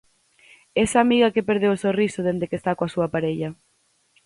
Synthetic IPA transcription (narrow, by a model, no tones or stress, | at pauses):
esamiɣɐkepeɾð̞ewsorisoðend̪ekest̪akoasuɐpaɾeʎɐ